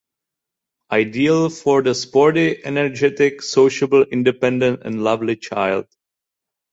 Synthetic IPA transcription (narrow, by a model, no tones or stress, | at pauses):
ʔaɪdiəlˠfɔɹd̪əspɔɹɾiʔɛnəɹd͡ʒɛtɪksoʊʃəbl̩ɪ̃ndɨpɛ̃ndə̃ntɛ̰̃nlʌvlit͡ʃʰaɪld̥̚